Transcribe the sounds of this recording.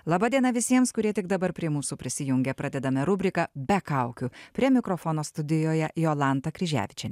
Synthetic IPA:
lˠɑːbɑːd̪ʲiɛnɐʋʲɪsʲiɛmskʊɾʲiɛt̪ʲɪɡ̚d̪ɐbɐɾpʲɾʲiɛmuːsuːpʲɾʲɪsʲɪjʊŋʲɡʲɛpɾɑd̪ʲɛd̪ɐmʲɛɾʊbʲɾʲɪkɐbʲɛkɑˑʊkʲupʲɾʲiɛmʲɪkɾofoːnoːst̪ʊd̪ʲɪjoːjɛjoːlˠɑˑnt̪ɐkɾʲɪʒʲæ̰ːʋʲɪt͡ʃʲɛ

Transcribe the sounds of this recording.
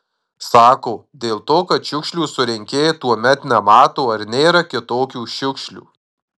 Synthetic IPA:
sɑːkoːd̪ʲeːlˠt̪oːkɐt̪ʃʲʊkʃʲlʲuːsʊɾʲɪŋʲkʲeːjet̪uɔmʲɛt̪nʲɛmɑːt̪oːɐɾnʲeːɾɐkʲɪt̪oːkʲuːʃʲʊkʃʲlʲṵː

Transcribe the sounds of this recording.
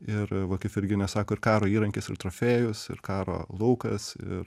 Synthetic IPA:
ɪɾʋɐkɐɪpɪɾʲɡʲɪnʲɛsɑːkoːɪɾkɑːɾoːiːɾɐŋʲkʲɪsɪɾt̪ɾoːfʲeːjʊsɪ̰ɾkɑːɾo̰ːlˠɐʊkɐsɪ̰r

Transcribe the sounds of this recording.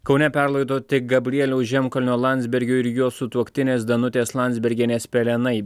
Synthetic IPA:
kɒʊnʲɛpʲɛɾlˠɐɪd̪oːt̪ʲɪk̚ɡɐbʲɾʲiɛlʲoːʒʲɛmkɔlʲnʲoːlˠɑnʲd̪zʲbʲɛɾʲɡʲoːɪɾjuɔsʊt̪uɔkt̪ʲɪnʲeːs̬d̪ɐnʊt̪ʲeːslˠɑˑnd̪zʲbʲɛɾʲɡʲeːnʲeːspʲɛlʲɛnɐɪ

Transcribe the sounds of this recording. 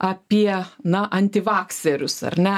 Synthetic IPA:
ʔɐpʲiɛnɐʔɐnʲt̪ʲɪʋɑːksʲeɾʲʊsɐ̰rnʲɛ

